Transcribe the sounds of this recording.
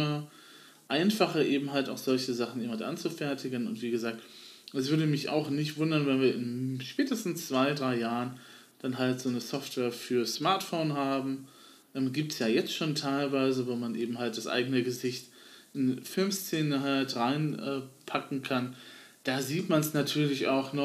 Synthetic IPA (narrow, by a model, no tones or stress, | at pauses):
ɐ | ʔaɪnfaχɐʔeːbm̩ɦalta̰ʊxz̥ɔlçəzaχn̩ʔɪːmatʔa̰nt͡sufɛɐtɪɡənʊ̰ntv̥iːɡəzaːk̚tʔɛs̬v̥ʏɐdəmɪçʔa̰ʊxnɪçtv̥ʊndɐnvɛnviːɐɪnʃpɛːtəstn̩st͡sv̥aɪdʁaɪjaːʁən | d̥anɦaltz̥oːnəsɔftv̥ɛːɐfyːɐsmaɐtfoːnɦaːbm̩ | ʔɛːmɡiːp̚tsjaːjɛt͡stʃoːntʰaɪlvaɪzəvoːmanʔeːbm̩ɦalt̚d̥asʔa̰ɪɡənəɡəzɪçt | ʔɪnfɪlmst͡seːnəɦaltʁaɪnʔɛːpʰakŋ̩kʰan | d̥aːziːtmansnatʰyːɐlɪça̰ʊxnɔ